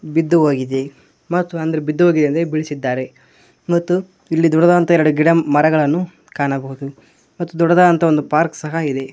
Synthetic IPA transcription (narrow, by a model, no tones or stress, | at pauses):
bid̪ːuɦoːɡid̪e̞ | mɐt̪ːuɐnd̪ɐɾebid̪ːuɦoːɡid̪eɐnd̪ebiɭisid̪ːaːɾe̞ | mɐt̪ːu | ilːid̪ɔɽːɐd̪aːɐnt̪ɐɛɾɐɽuɡiɽɐmɐɾɐɡɐɭɐnːu | kaːnɐbɐɦud̪u | mɐt̪ːud̪ɔɽːɐd̪aːd̪ɐnt̪ʰɐond̪upaːɾksɐɦɐid̪e̞